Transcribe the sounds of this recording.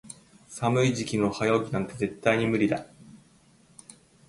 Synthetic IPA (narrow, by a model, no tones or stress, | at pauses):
samɯ̟iʑikʲino̞hajoːɡʲinãnt̪e̞ze̞t̪ːaiɲ̟imɯ̟ɾʲid̪a